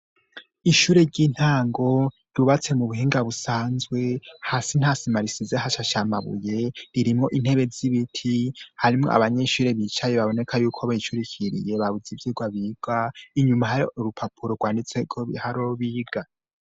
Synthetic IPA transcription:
iʃuːɾe̞ɟiːn̥haːŋɡo̞ | ɾuβat͡se̞muβuɦiːŋɡaβusaːnzwe̞hasin̥hasimaɾisizehaʃaʃamaβṵje̞ɾiɾimŋo̞ʔin̥he̞βe̞ziβitʰihaɾimŋo̰a̰βaɲe̞ʃuːɾe̞βit͡ʃaje̞βaβo̞ne̞kʰajuːkʰoβait͡ʃuɾicʰiɾḭje̞βaβuzivjiːɡwaβiːɡ̥aiɲumaɦauɾupʰapʰuɾoɡwaːndit͡sekʰohaɾoβiːɡ̥a

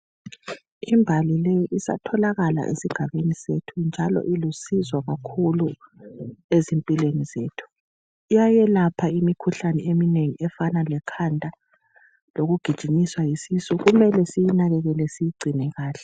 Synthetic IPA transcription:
imbʱalilejiʔisa̰tʰɔlaɣala̰ʔḛsiɡ̥ʱaβenisetʰund͡ʒʱalɔ̰ʔilusizwaɣakʰulu | ezimpʼilwenizeːtʰu̥ | ijajɛlapʰaimikʰuɬanɛemineŋiɛfanalɛkʰantʼa | loɣuɡ̥ʱid̥ʒ̥ʱiɲiswajisisuɣumɛlɛsijinaɣɛɣɛlɛsijiɡ͡ǀʱinɛɣaːɬɛ̥

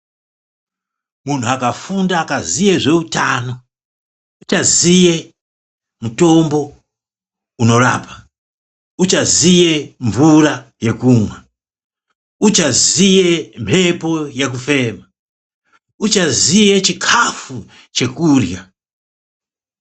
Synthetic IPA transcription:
mun̤uakafundaːkazije̞ʐe̞utaːno̞ | ut͡ʃazije̞ | muto̞mbo̞ | uno̞ra̰ːpḁ | ut͡ʃazije̞ɱvuraje̞kuːmwa | ut͡ʃazije̞m̤ʰe̞po̞jek̬ufe̞ːma | ut͡ʃazije̞t͡ʃikʰafu | t͡ʃe̞kuːrja

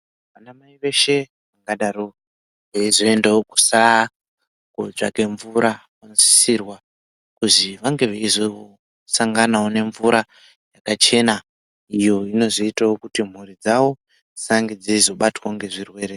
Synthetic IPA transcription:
ʋanamaiʋe̞ʃe̞ | ʋaŋɡaɗaɾo | ʋeizo̞e̞ndewoku̥sa | koʐa̰keɱvuɾakonzi̥sirwa | kuziʋaŋɡe̞ʋeizoo | saŋɡanawone̞ɱvuɾa | jakat͡ʃe̞na | ijo̞ino̞zoitawokutim̤urid͡zawo̞ | saŋɡed͡ziizo̞ɓatwaŋɡe̞ʐirwe̞ːɾe

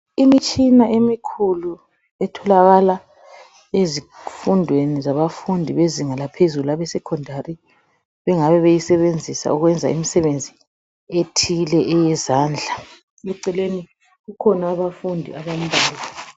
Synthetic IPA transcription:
imit͡ʃʼinaʔemikʰulu | ɛtʰɔlaɣala | ezifundʱwenizaβafundʱiβeziŋalapʰezuluaβɛsɛkʰɔndʱari | βɛŋaβɛβejisɛβend͡zʱisa̰uɣwɛnd͡zʱa̰imisɛβend͡zʱi | etʰilɛʔɛjɛzaːnd͡ɮʱa | ɛǀɛleni | ɣukʰɔnaːβafundʱḭaβam̩bʱaːli

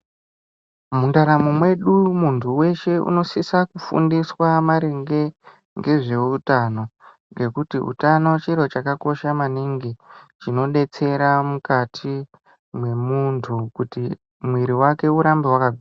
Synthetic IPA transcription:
mundaɾamumwe̞ɗumuntʰuwe̞ʃe̞ṵno̞sisakufṵndiswamaɾeŋɡe̞ | ŋɡe̞ʐe̞utano̞ | ŋɡe̞kutiṵtano̞t͡ʃiɾo̞t͡ʃakako̞ʃamaniŋɡit͡ʃino̞ɗe̞t͡se̞ɾamukatʰi | mwe̞muntʰukuti | mwiɾiwake̞uɾambewakaɡia

